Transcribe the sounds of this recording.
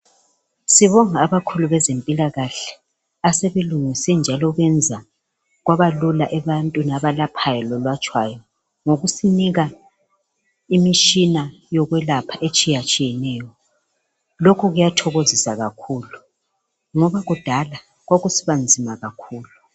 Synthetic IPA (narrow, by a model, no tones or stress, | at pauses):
siβɔŋaːβakʰuluβɛzempʼilaɣaɬɛ̥ | aseβeluŋisɛnd͡ʒʱalɔɣwɛnd͡zʱa | ɣwaβalulaʔɛβantʼunaβalapʰajɔlɔlwat͡ʃʼwajɔ | ŋoɣusiniɣa | imit͡ʃina | jɔɣwɛlapʰaʔet͡ʃʼijat͡ʃʼijɛnɛːjɔ | lokʰuɣujatʰɔɣozisaɣakʰuːlu | ŋɔβaɣud̥ʱala | ɣwoɣusiβand͡zʱimaɣakʰuːlu